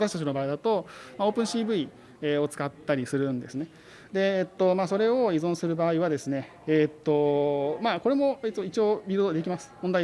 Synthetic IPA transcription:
t̪aɕit̪at͡ɕino̞baːid̪at̪o̞mao̞ːpɯ̟̃ɰ̃ɕiːbɯ̟i | eo̞t͡sɨ̥kat̪ːaɾʲisɨɾɯ̟̃nd̪e̞sɨne̞ | d̪e̞ːt̪ːo̞maːso̞ɾe̞o̞izõ̞ɰ̃sɨɾɯ̟baːiβ̞ad̪e̞sɨne̞ː | t̪ːo̞maːko̞ɾe̞mo̞it͡soit͡ɕio̞ːbʲiɾod̪od̪e̞kʲimasɨ̥mond̪a

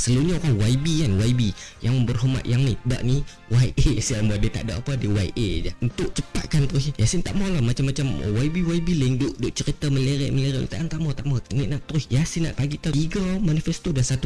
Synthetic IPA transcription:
səluɲaoɾanwaibikanwaibijaŋbərɦoma̰t̪̚jaŋnida̰ʔni | waiʔesambadit̪a̰ʔdoʔapadiwaiʔed͡ʒaunt̪ʊʔt͡ʃə̥pa̰t̪̚kant̪ɾʊsjasint̪aʔmɔlamat͡ʃamːat͡ʃam̰waibiwaibiləiŋdoʔdoʔt͡ʃəɾit̪əmələɾɛ̰ʔmələɾaʔnḭt̪aʔant̪aʔmat̪aʔmaneʔnaʔt̪ɾʊsjasinːa̰ʔpaɡit̪aiɡamanifɛst̪odansat̪u

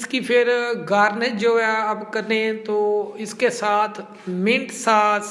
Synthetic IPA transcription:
skipʰɪɾɡaːɾnət͡ʃd͡ʒoːɦɛapkɐɾnẽt̪oːɪskesaːt̪ʰ | mɪ̃ɳʈsaːt̪

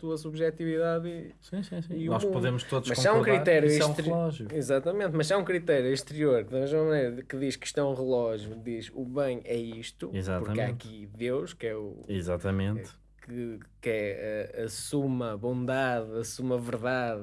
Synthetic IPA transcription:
t̪uɐsuβʒɛt̪iviðaðisĩsĩsĩiunɔʃpuðemʊʃt̪oðumʃmɐʃaũkɾɾiɾt̪ɛɾjuĩt̪ɾilˠɔʒjuizat̪ɐmẽnt̪mɐʃsaũkɾit̪ɛɾjuɐ̃ʃt̪ɨɾioɾkɨðɐmeʒmɐmɐnejɾɐkɨðiʃkɨ̥ʃt̪ɛũʁɨlˠɔʒjuðiʃuβɐ̃j̃ɛiʃt̪uizat̪puɾɐmaɐkiðewʃkɛṵizat̪ɐmẽnt̪ | kɨkɛɐɐsumɐβõnd̪aðɐsumɐvɨɾðað

